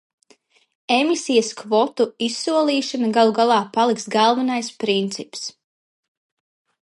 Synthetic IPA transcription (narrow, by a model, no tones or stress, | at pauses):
emisijɐskvɔt̪uisːuɔlˠiːʃanaɡalˠuɡalˠɑːpalˠiksɡalˠvanajspɾint̪sips